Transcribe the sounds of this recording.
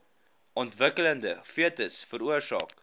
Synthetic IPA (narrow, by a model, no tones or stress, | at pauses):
ʔɔntvəkələndəfiətəsfəɾuərsɑ̰ːk̚